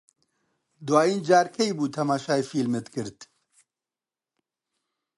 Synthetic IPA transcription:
d̪waːjiːnd͡ʒaːɾkʰɛjbuːt̪ʰɐmaːʃaːifiːlmɨt̪kɨɾt̪

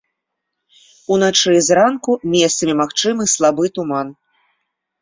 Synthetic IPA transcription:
unat͡ʂɨzɾankumʲɛst̪sɐmʲimaxt͡ʂɨmɨslˠabɨt̪uman

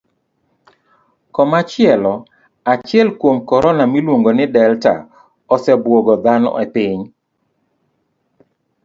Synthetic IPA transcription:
kɔmat͡ʃɪɛlɔ | at͡ʃɪɛlkwomkɔɾɔnamilwoŋɡonɪdɛlta̰ | ɔsɛbwoɡɔd̪anɔ̰ʔɛpɪɲ

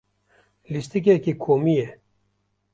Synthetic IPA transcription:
list̪ik̬ekikʰoːmije

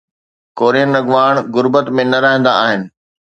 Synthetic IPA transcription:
koːɾiənɐɡʋaːɽ̃ɡʊɾbət̪mẽnɐɾɐɦə̃nd̪a̰aːɦɪnɪ̆

